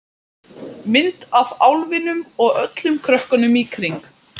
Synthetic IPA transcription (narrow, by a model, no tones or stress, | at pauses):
mɪnt̪avawlvɪnʏmɔɣœt̪lʏmkʰɾœhkanʏmikʰɾiŋk